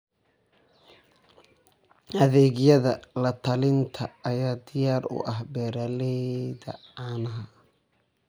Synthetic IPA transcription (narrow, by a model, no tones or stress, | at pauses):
hɐðɛːɣjɐðɐlɐt̪ʰɐlɪnt̪ʰɐːjaːd̪ɪjaːɾʊ̰ʔɐhbɛːɾɐlɛðɐ̰aːnɐɦɐ